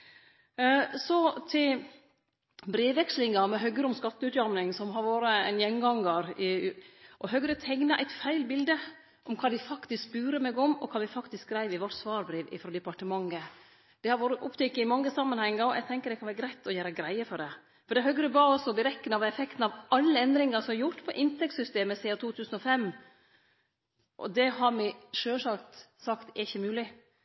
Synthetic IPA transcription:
sɔt̪ʰɪl | bɾeːʋːɛkslɪŋɑmɛɦœɡəɾəɔmskɑt̪ːəʉːt̪jɑɾmnɪŋsɔmɦɑɾʋoːɾəænjɛnɡɑŋːəɾɪʔɔɦœɡɾət̪ʰɛŋnɑʔæɪt̪fæɪlbɪld̪ə | ʔɔmkʰɑːd̪ɪfɑkt̪ɪskbʉːɾəmɛɡɔmɔ̰kʰɑːʋɪfɑkt̪ɪskɡɾæɪʋɪʋɔʈsʋɑːɾbɾeːʋɪ̰fɾoːd̪ɛpɑʈəmɑŋːə | d̪̥ɛhɑɾʋoːɾəʔʊpːt̪ʰɛkːəɪmɑŋːəsɑmːɑnhɛŋːəɾɔʔɛ̰ɪɡt̪ʰɛŋkəɖɛkʰɑnʋæːɾɡɾæɪt̪ːɔjæːɾəɡɾæɪəfɔɖɛ | fɔɖɛɦœɡɾəbɑːɔsɔbɪɾɛkːənɑʋɛfɛkt̪n̩ɑʋɑlːəɛnd̪ɾɪŋəsɔmɛɾjʊʈ̪pʰɔʔɪnt̪ʰɛk̚t̪sʏst̪eːməsɛːɑt̪ʰuːt̪ʰʉːsən̩ɔfɛmː | ʔɔ̰d̪ɛhɑɾmɛʂøːʂɑlt̪sɑkt̪ɛɾɪçːəmʉːlɪ

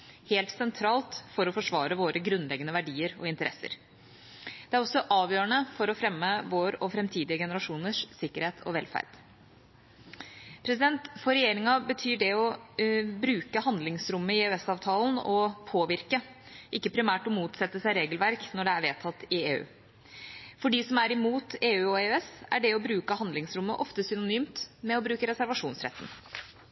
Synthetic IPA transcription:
heːlt̪sɛnt̪ʰɾɑːlt̪fɔɾɔfɔʂʋɑːɾəʋoːɾəɡɾʉnlɛɡənəʋæɖiːəɾɔ̰ɪnt̪əɾʔɛsːə̰ɾ | d̪̥ɛæɾɔsːɔʔɑːʋjøːəɳəfɔɾɔfɾɛmːəʋoːɾɔfɾɛmt̪ʰiːd̪ɪəɡɛnəɾɑʂuːnəʂsɪkːəɾheːt̪ʰɔ̰ʋɛlfæ̰ɾd̪̥ | pʰɾɛsɪd̪ɛnt̪fɔɾɛjeːɾɪŋɑbət̪ʰyːɖɛɔ | bɾʉːkəhɑnd̪lɪŋsɾʉmːəɪeːʉɛsɑːʋt̪ʰɑːlnɔpʰoːʋɪɾkə | ʔɪkːəpʰɾɪmæːʈɔmuːt̪sɛt̪ːəsæɪɾeːɡəlʋæɾknɔɖɛæɾʋeːt̪ʰɑt̪ːɪeːʉ̰ː | fɔɖiːsɔmæɾɪmuːt̪eːʉːɔeœɛsæ̰ɖɛɔbɾʉːkəhɑnd̪lɪŋsɾʊmːəʔɔft̪əsʏnʊnyːmt̪mɛɔbɾʉːkəɾɛsæɾʋɑʂuːnsɾɛ̰t̪ːn̩

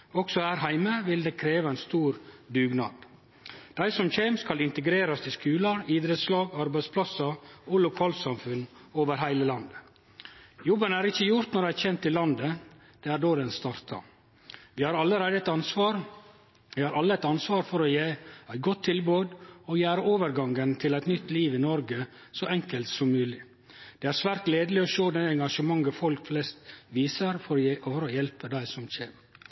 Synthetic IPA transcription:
ɔksɔhæːɾhæɪməʋɪld̪eːkʰɾeːʋəɛnst̪uːɾd̪ʉːɡnɑ̰ːd̪̥ | d̪̥æɪsɔmçeːmskɑlɪnt̪əɡɾeːɾɑst̪ɪskʉːləɾiːd̪ɾət̪slɑːɡɑɾbæɪspʰlɑsɑɔlʊkʰɑːlsɑmfʉnːoːʋəɾɦæɪləlɑnd̪ə | jɔbənæːɾɪçəjʊɾt̪nɔɾɖææçɛnt̪ʰːɪlɑnd̪ə | d̪̥eːæːɖoːd̪ɛnst̪ɑɾt̪ʰɑ̰ | ʋɪhɑɾɑlːəɾæɪd̪əɛt̪ɑnsʋɑːɾ | ʋɪhɑɾʔɑlːəɛt̪ɑnsʋɑːɾfɔɾɔjeːæɪɡɔt̪ʰːɪlbøːd̪ɔjæːɾəʔoːʋəɾɡɑŋənt̪ʰɪlæɪt̪nʏt̪ːliːʋɪnɔɾɡə | sɔʔɛŋkəlt̪sɔmːʉːlɪ | d̪̥ɛæɾsʋæːɾt̪leːd̪əlɪɔʃoːd̪ɛnɛŋɡɑʂəmɑŋɡəfɔlkflɛst̪ʋiːsəɾfɔɾɔjɛlpəd̪æɪsɔmçḛːn

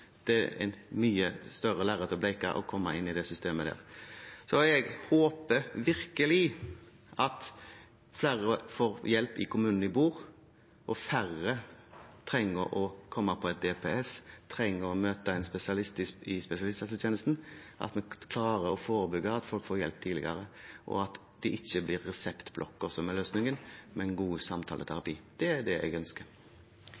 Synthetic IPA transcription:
d̪̥ɛɛ̰nmyːəst̪œʁəlæːʁət̪ɔblɛɪkɑ̰ʔɔ̰kʰɔmːɑʔɪnːɪd̪ɛsʏst̪eːməd̪æ̰ːʁsɔɛɡhoːpəɾʋɪɾkəlɪ | ʔɑt̪ | flæːʁəfoːɾjɛlpɪ̰kʰʊmʉːnn̩ɪbuːʁ | ʔɔfæʁət̪ʰʁɛŋːəɾʔɔkʰɔmːəpʰɔɛt̪̚d̪ɛpʰɛɛst̪ʰʁɛŋːəɾɔmøːt̪əɛɪnspɛsɪɑlɪst̪ɪɪspɛsɪɑlɪst̪ɑt̪t̪ʰjeːnəst̪n̩ʔɑ̰t̪mɛkʰlɑːɾəɾɔfoːɾəbʏɡəɑt̪fɔlkfoːjɛlp̚t̪ʰiːlɪ̰ɡɑɾəʔɔ̰ɑt̪ | d̪̥ɛʔɪçːəblɪɾːɛsɛpt̪blʔɔ̰kːɔsɔmɛløːsnɪŋənmɛnɡuːsɑmt̪ʰɑ̰ːlət̪ʰæɾɑpiːd̪̥ɛæd̪ɛɛ̰ɪɡœnskəɾ

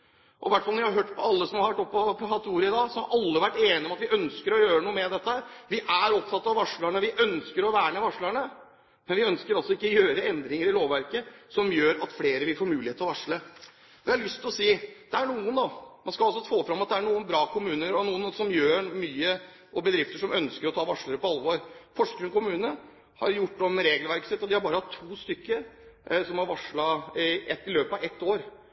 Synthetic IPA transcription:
ʔɔʋæʈfɑlɔɾʋɪhɑɾɦøːʈːpʰɔɑlːəsɔmhɑɾɑɾʋæʈːɔpːɔpːɔɦɑt̪ːuːɾəɪd̪ɑːsɔhɑɾʔɑlːəʋæʈːeːnɪɔmɑt̪ʋɪʔœnskəɾɔjøːɾənuːəmɛd̪ɛt̪ːəhæːɾʋɪʔæɾɔp̚t̪ʰɑt̪ːɑʋʋɑʂɭæɳəʋɪʔœnskəɾɔʋæːɳəʋɑʂɭæɳə | mɛnʋɪœnskəɾɔsːɔɪkːəɔjøːɾəɛnd̪ɾɪŋəɾɪloːʋʋæɾkəsɔmjøːɾɑt̪fleːɾəʋɪlfoːɾmʉːlɪheːt̪lɔʋɑʂɭə | ʋɪhɑɾɭʉst̪ʰɪlɔsiːd̪̥ɛæɳuːənd̪ɑmɑnskɑlɑlsɔfoːfɾɑmːɑt̪̚d̪ɛæɳuːənbɾɑːkʰʊmʉːnəɾɔnuːənsɔmjøːmyːə | ʔɔbəd̪ɾɪft̪əʂɔmœnskəɾɔt̪ʰɑːʋɑʂɭəɾəpɔɑlʋɔɾfɔʂkɾʉnkʊmʉːnə | hɑ̰ɾjʊʈːɔmɾeːɡəlʋæɾksɛt̪ːɔd̪ɪhɑɾbɑːɾəhɑt̪ʰːuːst̪ʏkːəsɔmhɑɾʋɑʂɭɑɪʔɛt̪ːɪløːpɑʋɛt̪ːoːɾ

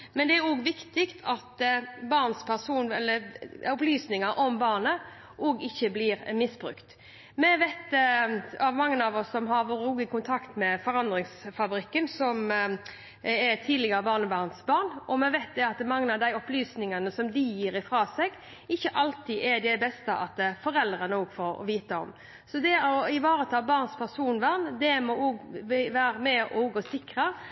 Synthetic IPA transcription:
mɛnd̪ɛæɾoːɡʋɪkt̪ɪkt̪ʰɑt̪bɑʁnspʰæʁsuːnɛlːəʊplyːsnɪŋɑɾʔɔmbɑːnə | ʔɔːɡɪçːəbliːɾmɪsbɾʉ̰kt̪ | mɛʋæt̪ | ɑʋmɑŋːənɑʋɔsːɔmɦɑɾʋoːɾəuːɡɪkʊnt̪ʰɑkt̪mɛfɔɾɑnd̪ʁɪŋsfɑbɾɪkːənsɔm | ɛt̪ʰiːd̪lɪɡəɾəbɑːʁnəbɑːʁnsbɑːʁnʔɔmɛʋæɪt̪̚d̪ɛɑt̪̚d̪ɛmɑŋːənɑʋd̪æɪɔplyːsnɪŋənəsɔmd̪ɪjiːɾɪfɾɑːsɛɡ | ɪçːəʔɑlt̪iʔɛd̪ɛbɛst̪əʔɑ̰t̪̚d̪ɛfɔɾɛld̪ɾənəoːɡfɔɾɔ̰ʋiːt̪əɔ̰m | sɔd̪ɛɔɪʋɑːɾət̪ʰɑːbɑːʁnspʰæʁsuːnʋæʁnd̪ɛmɔoːɡʋæːɾəmɛʔɔɡoːsɪkɾə

